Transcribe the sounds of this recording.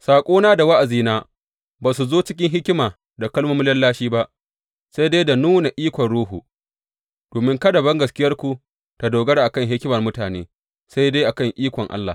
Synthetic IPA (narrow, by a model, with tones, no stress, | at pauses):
saː˨kʷʼoː˦naː˦da˨wa˦ʔa˨ziː˦naː˦ | baː˨s̬u˨zoː˦t͡ʃɪ˦kʲɪ˦ŋɦɪ˦kʲɪ˦maː˨ | da˨kɐ˦lmu˦mʊ˦lɐ˦lːaː˦ʃiː˦ba˦ʔ | sa˦jde˦jda˨nuː˦na˨ʔiː˦kʷɔ˨nɽuː˦ɦu˨ | d̥oː˨mɪ˦ŋkɐ˦dɐ˨bɐ˦ŋɡɐ˨skʲɪ˦jɐ˦rkʷu˨ | ta˨doː˨ɡɐ˦ɽa˨ʔa˨kɐ˦˨ŋɦɪ˦kʲɪ˦mɐ˨rmʊ˦taː˨nḛː˦ | sa˦jde˦jʔa˨kɐ˦˨ŋʔiː˦kʷɔ˨ŋʔa̰˦lːa̰˨